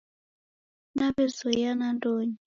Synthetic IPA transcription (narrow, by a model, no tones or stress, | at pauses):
nabɛsɔjanantʼoːɲi